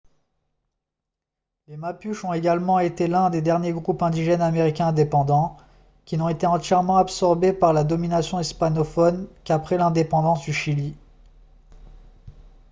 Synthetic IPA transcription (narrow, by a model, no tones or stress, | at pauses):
lemapyʃɔ̃eɡʲalmɑ̃et̪elɛ̃d̪ed̪ɛʁnjeɡʁupɛ̃d̪iʒɛnameʁikʲɛ̃ɛ̃d̪epɑ̃d̪ɑ̃ | kʲinɔ̃et̪eɑ̃t̪jɛʁmɑ̃apsɔʁbepaʁlad̪ɔminasjɔ̃ispanɔfɔnkapχɛlɛ̃d̪epɑ̃d̪ɑ̃sd̪yʃili